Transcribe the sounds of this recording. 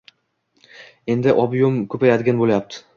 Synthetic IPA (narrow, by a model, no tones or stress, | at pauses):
e̞nd̪ɪʔɒbjomkʰɵpajad̪ɪɡʲanbolajap̚t̪ʰɪ̥